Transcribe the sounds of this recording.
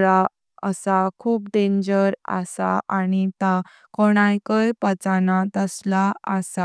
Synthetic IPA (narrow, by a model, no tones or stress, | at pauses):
ɾa | əsakʰuːp̚dẽɲd͡ʑəɾa̰saʔanit̪a | koɽ̃ãjkəjpət͡sanat̪əslaasa